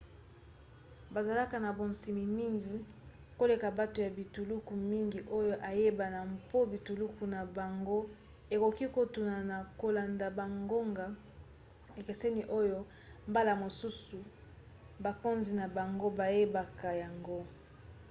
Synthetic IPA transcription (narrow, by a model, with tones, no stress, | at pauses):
ba˨za˨la˦ka˨na˨bo˨nsi˨mi˨mi˦ŋɡi˨ | ko˦le˨ka˨ba˦to˨ja˨bi˨tu˨lu˦ku˨mi˦ŋɡi˨ʔo˦jo˦ʔa˨je˦ba˨na˨mpo˦bi˨tu˨lu˦ku˨na˨ba˨ŋɡo˦ | e˨ko˨ki˦ko˨tu˨na˨na˨ko˨la˨nda˨ba˨ŋɡo˦ŋɡa˨ | e˨ke˨se˦ni˨ʔo˦jo˦ | mba˦la˨mo˨su˦su˨ | ba˨ko˦nzi˨na˨ba˨ŋɡo˦ba˨je˦ba˨ka˨ja˨ŋɡo˦